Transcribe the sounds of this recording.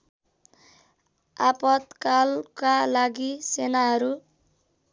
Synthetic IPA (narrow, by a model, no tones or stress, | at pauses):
apʌt̪kalkalaɡisenaɦʌɾu